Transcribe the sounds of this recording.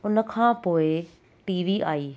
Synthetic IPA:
ʊnə̆kʰãːpoːɪ | ʈiːʋiʔaːiː

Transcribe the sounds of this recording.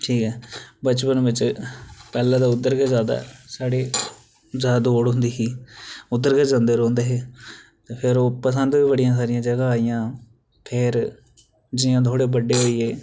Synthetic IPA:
ʈʰiːkɛːbət͡ʃpənʋɪt͡ʃpɛːlãːd̪aːʊd̪əɾɡəzjaːd̪a̰ːsaːɽeː | zaːd̪oːɽɦʊ̃nd̪iːsiːʊd̪əɾɡəzãːnd̪eːɾɔ̃ːnd̪eːɦeːt̪eːpʰɪɾoːpəsə̃nd̪ʋiːbəɽɪjãːs̬aːɾɪjãːd͡ʒəɡaːaːijãː | pʰɪɾ | d͡ʒɪjãːt̪̬ʰoːɽeːbəɖːeːɦoːiːeː

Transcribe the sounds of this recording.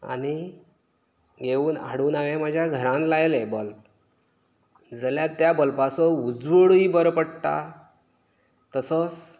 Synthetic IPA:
a̰ɽ̃i | ɡʱeuːna̰ɽuːnaʋem̤ad͡ʑʱjaɡʱəɾãnlajlebəlp | d͡zəljat̪ːjabəlpasɔud͡zʋəɽiːbəɾpəɽt̪a̰ | t̪əsət͡s

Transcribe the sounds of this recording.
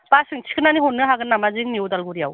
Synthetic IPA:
pasɯŋt͡ʃʰi̥kʰɯnaniɦonːɯɦaɡɯnːamazɯŋniowdalɡuɾija̰w

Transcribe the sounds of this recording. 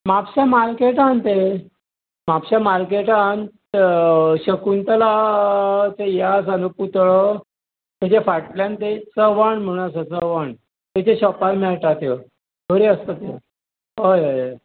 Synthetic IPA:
mapɕamaɾkeʈãnt̪e | mapɕamaɾkeʈan | ɕəkunt̪əla | t͡sejasanuput̪ɭə | t̪et͡ɕefaʈljãnt̪et͡səʋaɳm̤əɽ̃asət͡səʋaɳ | t̪et͡ɕeɕɔpalmɛɭʈat̪je | bʱəɾiəst̪ət̪e | ɦojɦoj

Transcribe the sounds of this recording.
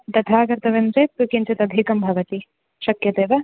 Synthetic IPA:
d̪ɐt̪ʰaːɡɐɾt̪ɐʋɐmt͡ʃɐpukint͡ʃɐt̪ɐd̪ʱikɐmbʱɐʋɐt̪i | ʃɐkjɐd̪eːʋɐ

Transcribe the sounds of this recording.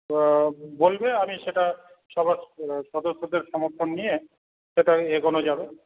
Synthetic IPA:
bolbeamiʃeʈa | ʃɔbaɾʃɔd̪oʃːod̪eɾʃɔmoɾt̪ʰonːije | ʃeʈaeɡonod͡ʑabe

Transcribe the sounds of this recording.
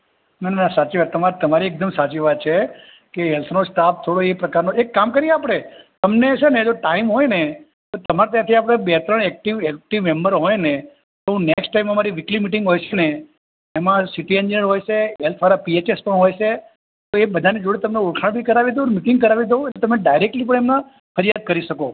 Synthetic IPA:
nananasat͡ʃiʋat̪ːəmat̪əmaɾiek̚d̪əmsat͡ʃiʋad̪̚t͡ʃʰe | keɦɛlt̪ʰnosʈap̚t̪ʰoɽoepɾəkaɾnoekːamkəɾijeapɽ̃et̪əmneʃʰoned͡ʒoʈaimɦojne | t̪ot̪əmaɾat̪jãt̪ʰiap̬ɽ̃ebɛt̪ɾəɳɛk̚ʈiʋɛk̚ʈiʋmɛmbəɾɦojne | t̪oɦũneksʈʈaiməmaɾiʋɪklimiʈɪ̃ŋɡɦojʃʰeneː | mãsiʈiend͡ʒinjəɾɦojt͡ʃʰeɦɛlt̪ʰʋaɾapiet͡ʃespəɳɦojt͡ʃʰe | t̪oebəd̪ʱaned͡ʒoɽet̪əmneuɾkʰaɳbʱikəɾaʋid̪õmiʈɪ̃ŋɡ̚kəɾaʋid̪ʱoeet̪əmeɖajɾek̚ʈlip̬əɽ̃ɳemna | fʰəɾijat̪̚kəɾiʃəko

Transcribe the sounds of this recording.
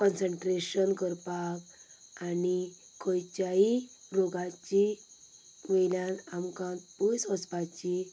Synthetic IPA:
kɔnsəɳʈɾeɕənkəɾpakani | kʰɔjt͡ɕjai | ɾoɡat͡ɕi | meljãnamkãnt̪pusəspat͡ɕi

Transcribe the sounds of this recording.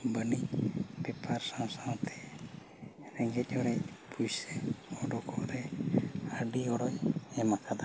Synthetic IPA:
bənibɛpʰaɾsãwsaw̃t̪ʰɛ̥ | ɾɛŋɡɛt̪̚ˀɔɾɛpujsɛɔɖɔkʰɔʔɾɛ | aɖiɔɽɔjɛmakʰad̪a

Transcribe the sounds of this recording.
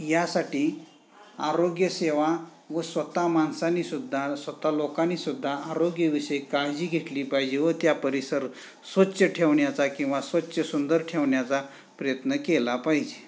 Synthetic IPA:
jasaʈiː | aɾoɡjəseʋa | ʋəsʋət̪amansanisud̪ʱːasʋət̪alokanisud̪ʱːaːɾoɡjəʋisəjekaɭd͡ʑiːɡʱeʈliːpaɦid͡ʑeʋət̪japəɾisəɾ | sʋətːɕəʈʰeʋɳjat͡sakĩw̃ʋasʋətːɕəsund̪əɾʈʰeʋɳjat͡sa | pɾəjət̪nəkelapaɦid͡ʑe

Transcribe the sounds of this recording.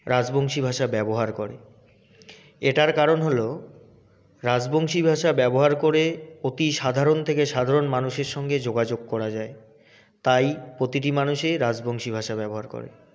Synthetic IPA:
ɾad͡ʑboŋʃibʱaʃabɛboɦaɾkoɾḛ | eʈaɾkaɾonɦolo | ɾad͡ʑboŋʃibʱaʃabɛboɦaɾkoɾeot̪iʃad̪ʱaɾont̪ʰekeʃad̪ʱaɾonmanuʃeɾʃɔŋɡed͡ʑoɡad͡ʑoɡ̚kɔɾad͡ʑae | t̪ajpɾot̪iʈ̬imanuʃeɾad͡ʑboŋʃibʱaʃabɛboɦaɾko̰ɾḛ

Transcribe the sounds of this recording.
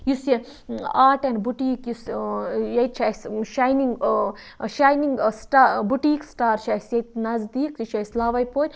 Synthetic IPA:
jusje | aːɾʈɛɳɖbuʈiːkjusjɐjt̪t͡ʃʰasʃajniŋɡ | ʃaːjniŋɡsʈaːbuʈiːksʈaːɾʃajsjɐjt̪nɐzd̪iːksiʃʰajslaːʋɐjpoːt̪ʲ

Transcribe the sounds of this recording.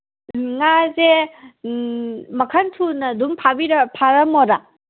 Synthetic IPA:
ŋaze | mɐkʰantʰunɐdumpʰabiɾɐpʰaɾɐmoɾa

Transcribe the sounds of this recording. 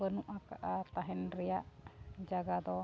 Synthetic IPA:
bənuʔakaʔat̪aɦɛnɾijaʔd͡ʒaɡad̪ɔ

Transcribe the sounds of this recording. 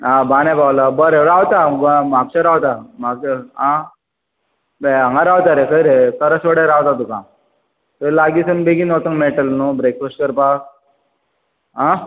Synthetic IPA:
ɦãbanɛ̃bawlabəɾeɾaʋt̪aɡmaɡ̚t͡ɕaɾawt̪amaɡ̚aɦã | beãŋɡaɾawt̪aɾekəɾekəɾəsʋəɽaɾaʋt̪at̪̬ukã | t̪əlaɡiːsənbeɡinɔt̪əŋmeʈəlnubɾekfesʈ̚kəɾpak̚ | ɦã

